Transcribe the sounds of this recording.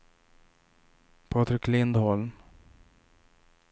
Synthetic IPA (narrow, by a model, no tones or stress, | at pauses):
pʰɑːt̪ʰɾɪkʰːlɪnd̪hɔlm